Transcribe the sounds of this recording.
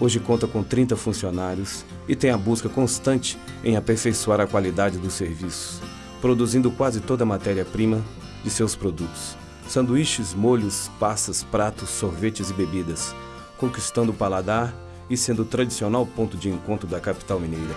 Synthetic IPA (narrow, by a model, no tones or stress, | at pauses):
oʒɪkõnt̪ɐkõt̪ɾĩnt̪ɐfũsionaɾjʊs | ɪt̪ẽj̃ɐbuskɐkõst̪ɐ̃nt͡ʃɪ̥ẽj̃apeɾfejsuaɾɐkwalid̪ad͡ʒɪd̪ʊsːeɾvisʊ̥s | pɾod̪uzĩnd̪ʊkwazɪt̪od̪ɐmat̪ɛɾiɐpɾĩmɐ | d͡ʒɪsewspɾod̪ut̪ʊ̥sː | ẽnd̪ʊiʃɪzmoʎʊspasɐspɾat̪ʊsːoɾvet͡ʃɪzɪbebid̪ɐs | kõkist̪ɐ̃nd̪ʊpalad̪aɾ | ɪsẽnd̪ʊt̪ɾad͡ʒisionawpõnt̪ʊd͡ʒɪẽkõnt̪ɾʊd̪ɐkapi̥t̪awmĩnejɾɐ